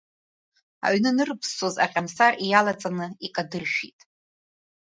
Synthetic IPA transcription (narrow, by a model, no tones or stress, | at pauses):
a̰ɥnɨnɨrɨpʰsoza̰qʲʼamsarijalat͡sʼanɨikʼadɨrʃᶣitʼ